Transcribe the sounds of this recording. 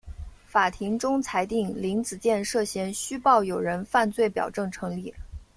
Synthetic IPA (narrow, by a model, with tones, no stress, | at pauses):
fa˨˩t̪ʰi˧˥ŋʈ͡ʂʊ˥ŋt͡sʰa˧˥ɪt̪i˥˩ŋli˧˥ŋt͡sɹ̩˨˩t͡ɕjɛ˥˧nʂɤ˥˩ɕjɛ˧˥nɕy˥pɑ˥˩ʊjo˨˩ʊɻə˧˥nfa˥˧nt͡swe˥˩ɪpjɑ̰˨˩ʊʈ͡ʂɤ˥˩ŋʈ͡ʂʰɤ˧˥ŋli˥˩